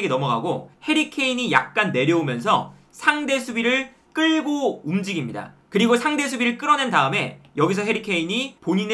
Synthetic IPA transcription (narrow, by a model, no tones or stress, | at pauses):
ɡenʌmʌɡaɡohe̞ɾikʰe̞iɲija̰k̚k͈anːe̞ɾjʌumjʌns̬ʰʌ̰ | sʰaŋde̞sʰubiɾɯɭ | k͈ɯɭɡoumd͡ʑiɡimɲida̰kɯɾiɡosʰaŋde̞s̬ʰubiɾɯɭk͈ɯɾʌnendaɯme̞jʌɡis̬ʰʌɦe̞ɾikʰe̞iɲipoɲin